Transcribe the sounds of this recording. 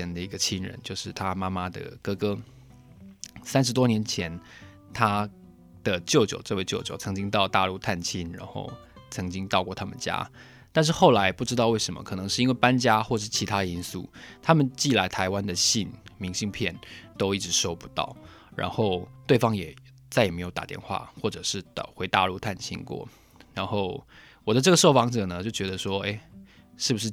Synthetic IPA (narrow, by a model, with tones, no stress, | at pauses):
ɛ˧˥nd̪ə˨i˧˥ɡə˧t͡ɕʰi˥nɻə̰˧˦nt͡ɕjo˥˧ʊʂɻ̩˥˩t̪ʰa˦ma˥ma˦d̪ə̰˩kɤ˥kɤ˥ | sa˥nʂ̬ɻ̩˧t̪wɔ˥njɛ˧˥nt͡ɕʰjɛ˧˦n | t̪ʰa˥ | d̪̥ə˨t͡ɕjo˥˩ʊt͡ɕjo̰˨˩ʊʈ͡ʂɤ˥˧we˥ɪt͡ɕjo˥˩ʊt͡ɕjo˨˩ʊt͡sʰɤ˧˥ŋt͡ɕi˥ŋt̪̬ɑ˥˧ʊt̪a̰˥˧lu˥˧t̪ʰa˥˩nt͡ɕʰi˥nɻa̰˧˥nxo̰˥˩ʊ | t͡sʰɤ˧˥ŋt͡ɕi˥ŋt̪ɑ˥˧ʊkwɔ˥˩t̪ʰa˥mə̰˨nt͡ɕja̰˥ | t̪a˥˧nʂ̬̩˥˩xo˥˩ʊla˧˥ɪpu˥˩ʈ͡ʂɻ̩˥t̪ɑ˥˧we˥˩ɪʂə˧˥nmə̰˧kʰɤ˨˩nɤ˧˥ŋʂɻ̩˥˩˧i˥nwe˥˩ɪpa˦˥nt͡ɕja˥xwɔ˥˧ʂɻ̩˥˩t͡ɕʰi˧˥t̪ʰa˥də˨˧i˦˥nsṵ˥˩t̪ʰa˥mə˨nt͡ɕi˥˩la˧˥ɪt̪ʰa˧˥ɪwa˦nd̪ə˨ɕi˥˩nmi˧˥ŋɕi˥˧ŋpʰjɛ˥˩nt̪o˥ʊi˥˩ʈ͡ʂɻ̩˧˥ʂo˥ʊpu̥˧˦t̪ɑ̰˥˩ʊ | ɻa̰˧˥nxo˥˧ʊt̪we˥˩ɪfɑ˥ŋjɛ˨˩ | t͡sa˥˩jɛ˨˩me˧˥ɪjo˧˩t̪a̰˨˩t̪jɛ̰˥˧nxwa̰˥˩xwɔ˥˩ʈ͡ʂɤ˨˩ʂɻ̩˥˩t̪xwe˧˥ɪt̪a̰˥˧lu˥˧t̪ʰa˥˩nt͡ɕʰḭ˥nkwɔ̰˥˩ | ɻa˧˥nxo˥˩ʊ | wɔ˨˩d̪ə˦ʈ͡ʂɤ˥˩ɡə˩ʂo˥˩ʊfɑ˧˥ŋʈ͡ʂɤ˨˩nə˦t͡ɕjo˥˩ʊt͡ɕɥɛ˧˥d̪ə˧ʂwɔ˥e˥˩ɪ | ʂɻ̩˥˩bu˩ʂ̬ɻ̩˥˩